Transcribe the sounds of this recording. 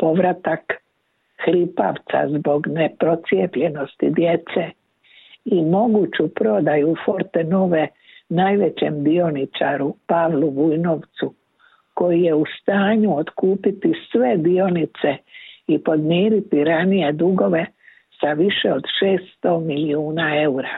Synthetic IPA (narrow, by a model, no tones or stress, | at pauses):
po̞ʋɾat̪ak | xɾipa̰ʋt̪sa̰zbo̞ɡne̞pɾo̞t̪sjepʎe̞no̞st̪id̪je̞t̪se | imo̞ɡut͡ɕupɾo̞d̪ajufo̞ɾt̪eno̞ʋe̞ | naːjʋe̞t͡ɕemd̪io̞nit͡ʃa̰ɾupaʋluʋujno̞ʋt̪su | ko̞jije̞ust̪aːɲuot̪kuːpit̪isʋe̞d̪io̞nit̪se̞ipo̞d̪miːɾit̪iɾanije̞d̪uɡo̞ʋe̞ | saʋiʃe̞o̞d̪ʃe̞ːst̪o̞miliuːnae̞uɾa